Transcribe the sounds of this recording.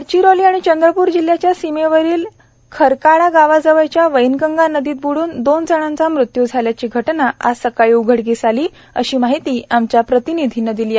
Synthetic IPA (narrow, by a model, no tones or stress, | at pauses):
əɾt͡ɕiːɾɔliːaɽ̃it͡ɕənd̪ɾəpuːɾd͡ʑil̤jat͡ɕjasimeʋəɾiːl | kʰəɾkaɽaɡaʋad͡zəʋajt͡ɕjaʋəjnkəŋɡanəd̪iːt̪̚buɽuːnd̪ont͡səɽ̃ãnt͡samɾut̪jud͡zʱaljat͡ɕiːɡʱəʈnaa̰səkaɭiːuɡʱəɽɡiːsaliː | əɕiːmaɦit̪iːamt͡ɕjapɾət̪inid̪ʱiːnəd̪iliːa